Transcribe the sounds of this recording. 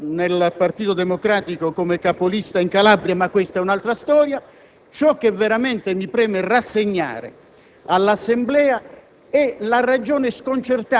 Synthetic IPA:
nelpart̪iːt̪od̪ɛmokɾaːt̪ikokomekapolist̪aiŋkalabɾjamakːwest̪aɛunalt̪ɾast̪ɔːɾja | t͡ʃɔk̟ːevːeɾament̪emipɾɛːmɛrasːeɲːa̰ːɾḛ | alːasːemblɛːa | ɛlarad͡ʒɔːneskont͡ʃert̪a

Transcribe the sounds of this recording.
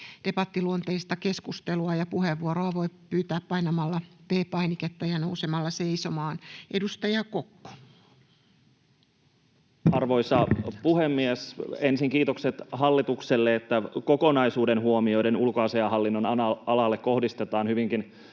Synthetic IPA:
d̥e̞pɑt̪ːiluont̪eist̪ɑke̞skust̪eluɑjɑpuɦeʋːuoɾoɑʋoipyːt̪æːppɑinɑmɑlːɑpeːpɑiniket̪ːɑjɑnousemɑlːɑseisomɑːnʔedust̪ɑjɑkokːo̥ | ɑrʋoisɑpuhemːiesensiŋkiːt̪okset̪hɑlːit̪ukselːeet̪ːækokonɑisuːdenhuomio̞idenulkoɑseɑhɑlːinːonɑnɑɑlɑlːekko̞hdist̪et̪ɑːnhyʋiŋkin

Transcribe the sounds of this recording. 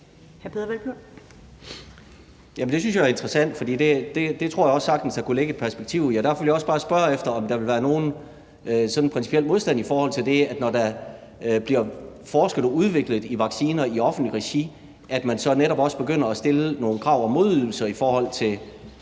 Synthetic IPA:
hæɐpʰeðˠɐʋelb̥y | jæmnd̥e̝s̬ynsjɑ̈æɐe̝nd̥ʁəsæn̰d̥fɒ̽d̥ḭːd̥e̝d̥ed̥e̝t͡sʰʁo̰ɐ̰jaɒ̽sːɑ̈ɡ̥d̥n̩sd̥æ̈kuleɡ̥əe̝d̥̚pʰæɐsb̥eɡ̥̚t͡sʰiʊ̰jæd̥æɐfɒ̽ʋeljaɒ̽sb̥ɑ̈ːsb̥ɶɐefd̥ɐɒ̽md̥ɑ̈ʋe̝lʋæːɐno̝ːn̩ | sɒ̽d̥n̩pʰʁɛnsi̥pʰel̰mo̝ð̞ˠsd̥æn̰ifɒːhɒ̽l̰t͡sʰe̝ld̥e̝æd̥nɒd̥æ | b̥liɐfɒːsɡ̥əð̩ˠɒuð̞ˠʋe̝ɡ̥ləð̩ˠiʋɑ̈ɡ̥siːnɐiɒ̽fn̩d̥liʁeɕi | ʔæd̥mænsɒ̽neɾɒ̽b̥ɒ̽sb̥e̝ɡ̥øn̰ɐɒsd̥e̝ləno̝ːn̩kʰʁɑ̈ʊ̰ɒ̽mo̝ðˠyðˠl̩sɐifɒːhɒ̽l̰t͡sʰe̝l

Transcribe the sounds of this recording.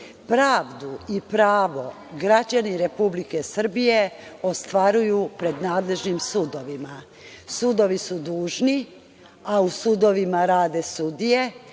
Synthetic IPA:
pɾaːʋd̪uipɾaːʋo̞ | ɡɾat͡ɕaniɾe̞publike̞sr̩bije̞ost̪ʋaɾujupɾe̞d̪naːd̪le̞ʒnimsud̪o̞ʋima | sud̪o̞ʋisud̪uːʒni | ausud̪o̞ʋimaɾaːd̪e̞sud̪ije̞

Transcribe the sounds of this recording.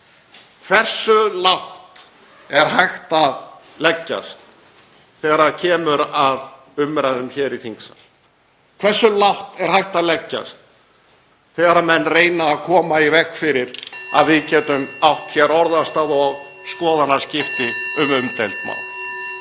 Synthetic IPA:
kʰv̥ɛr̥sʏlawht̪ | ɛɾ̥hajxt̪a | lɛcːa̰st̪ | θɛːɣaɾacʰɛːmʏɾað | ʏmːɾaðʏmçɛɾiθiŋksa̰l | kʰv̥ɛrsːʏlawht̪ɛɾ̥hajht̪alɛcːa̰st̪ | θɛːɣaɾamɛnːreːjnaːðkʰɔːmaivɛkfɪɾɪɾa̰ðvɪcɛːt̪ʏmawht̪çɛɾɔɾðast̪aːðɔɣ | skɔːðanḁscɪft̪ɪʏmʏmt̪ɛlt̪ma̰ːwn

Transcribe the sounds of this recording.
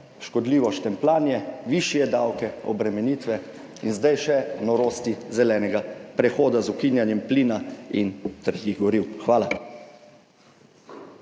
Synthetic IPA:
ʃkɔd̪liːʋɔst̪ɛmplaːnjɛʋiʃjɛd̪awkɛɔ̰bɾɛmɛniːt̪ʋɛ | inzd̪ajʃɛnɔɾoːst̪izɛlɛːnɛɡapɾɛxoːd̪azukinjanjɛmpliːnaint̪ɾɛt̪jiɣɡɔɾiwxʋaːla

